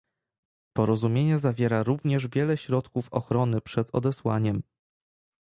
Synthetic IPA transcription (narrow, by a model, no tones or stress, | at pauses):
pɔɾɔzumʲjeɲɛzavʲjɛɾaɾuvɲɛʐvʲjɛlɛɕɾɔt̪kufɔxɾɔnɘpʂɛd̪ɔ̰d̪ɛswa̰ɲɛm